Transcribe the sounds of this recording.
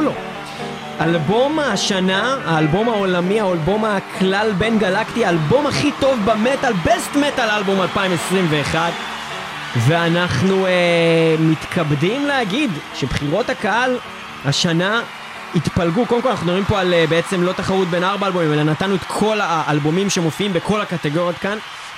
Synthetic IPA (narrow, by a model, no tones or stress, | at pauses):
o | albo̞mhaʃanaaːlbo̞mao̞lamiaolbo̞makʰlalbe̞nɡalakt̪iaːlbo̞maχito̞vbemetalbestmetalalbomalpaimesʁimve̞ːχad | ve̞anaχnuemit̪kʰabdimleaɡidʃe̞bχiʁo̞takaal | haʃana | it̪palɡukodemkolanaχnudoʁimpo̞alebeet͡se̞mlo̞t̪aχaʁut̪̚be̞naʁbaːlbo̞mĩmelanat̪anuet̪kʰo̞laːlbo̞mimʃemo̞fiimbeko̞lakat̪eɡo̞ʁjot̪kan